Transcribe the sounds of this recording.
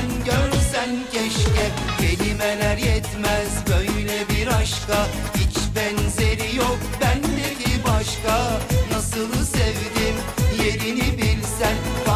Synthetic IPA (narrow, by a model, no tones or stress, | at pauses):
nɟøɾsæncʰɛʃcɛ | cʰelimɛlæɾjɛt̪mæzbøjlɛbiɾɑʃkɑ | hit͡ʃbɛnzeɾijok̚bænb̪eɾɦibɑʃkɑnɑsɯlˠɯsɛvd̪imjeɾinibilʲsæn